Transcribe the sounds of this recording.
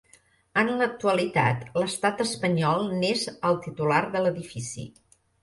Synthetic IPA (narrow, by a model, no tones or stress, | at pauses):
ənlək̚t̪uəlit̪a̰t̪ləst̪at̪əspəɲɔlˠnezəlˠt̪it̪ulaɾðələðifisḭ